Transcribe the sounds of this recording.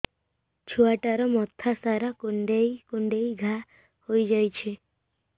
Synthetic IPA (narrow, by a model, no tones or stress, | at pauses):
t͡ʃʰuaʈaɾɔmɔt̪ʰasaɾakuɳɖejkuɳɖejɡʱa | hojd͡ʒajt͡ʃʰe